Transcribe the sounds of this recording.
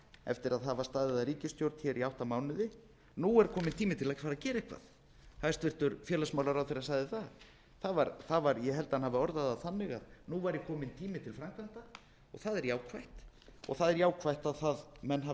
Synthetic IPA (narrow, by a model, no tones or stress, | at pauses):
ɛ̰ft̪ɪɾaðɦavast̪aːðɪðaɾiːcɪst̪jowɾt̪çɛɾʔiawht̪amaːwnʏðɪ | nuɛɾkʰɔːmɪnt̪ʰiːmɪt̪ʰɪlacfaːɾaðcɛːɾehkʰva̰ð | hast̪vɪr̥t̪ʏɾfjɛːlasmawlaɾawθɪɾasaːjðɪθað | θaðvaɾθavaɾjɛɦɛlt̪anhavɪɔɾðaðaðθanːɪɣaðnuvaɾjɛkʰɔːmɪnt̪ʰiːmɪt̪ʰɪlfɾamkʰvajht̪a | ɔ̰ɣθaðɛɾjaːwkʰvajht̪ | ɔ̰ɣθaðɛɾjaːwkʰvajht̪aðθaðmɛnːɦa